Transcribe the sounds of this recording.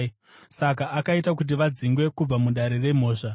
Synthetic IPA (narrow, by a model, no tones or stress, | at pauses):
sakaʔakaitakut̬iʋad͡ziŋɡwe̞kub͡vamuɗaɾe̞re̞m̤o̞ːʂa